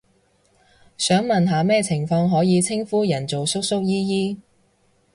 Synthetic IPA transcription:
sœː˨˥ŋmɐ˨nɦaː˨˧mɛː˥t͡sʰɪ˨˩ŋfɔː˧ŋɦɔː˨˥jiː˨˧t͡sʰɪ˥ŋfuː˥jɐ˨˩nt͡so˨wsʊ˥k̚sʊ˥k̚jiː˥jiː˥

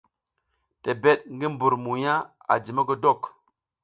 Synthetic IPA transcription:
te˨be˦t̚ŋɡi˦m˦bu˨ɾmu˨ja˦ | a̰˨d͡ʒi˨mə˦ɡə˦do˦˨k

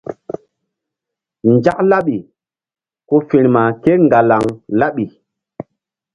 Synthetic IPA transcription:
nd͡ʒa˦k̚la˦ɓi˨ | ko˦fi˨ɾma˨ke˦ŋɡa˨la˨ŋla˦ɓi˨

